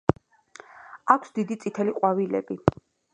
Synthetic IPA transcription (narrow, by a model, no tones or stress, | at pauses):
akʰsd̪id̪it̪sʼit̪ʰɛliqʼwavilɛ̰bi